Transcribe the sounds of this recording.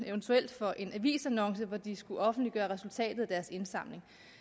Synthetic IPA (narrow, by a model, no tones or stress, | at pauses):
eʊnt͡sʰuel̰d̥fɒ̽ʔe̝nʔæʋḭːsænɒ̽ŋsəʋɒd̥isɡ̥uʔɒ̽fn̩dliɡ̥ɶːɐʁɛsult͡sʰɛ̰ːd̥ð̩ˠæd̥æɐse̝nsɑ̈m̰le̝ŋ